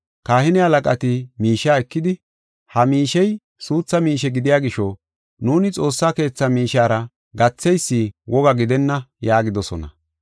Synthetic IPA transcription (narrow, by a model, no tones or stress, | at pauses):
kaːhɪnɛɐlɐkʼɐt̪ɪmiːʃaːɛkːɪd̪ɪ | hɐmiːʃɛj | suːt͡sːɐmiːʃɛɡɪd̪ɪjaːɡɪʃːɔ | nuːnɪt͡sʼo̞ːsːaːke̞ːt͡sːɐmiːʃaːɾɐ | ɡɐt͡sːɛjsːiwʔɔɡɐɡɪd̪ɛnːɐjaːɡɪd̪ɔsɔnɐ̰